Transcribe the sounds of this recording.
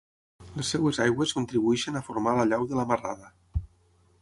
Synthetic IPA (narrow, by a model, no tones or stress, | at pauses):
lesːewezajɣweskunt̪ɾiβuɛʃenafoɾmalaʎawðəlamara̰ðə